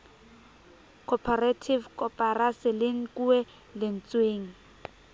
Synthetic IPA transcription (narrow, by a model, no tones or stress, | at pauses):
kʰɔpʰaratʰivkɔpʼarasɪlɪŋ̩kuɛ | lɪn̩t͡sweːŋ̩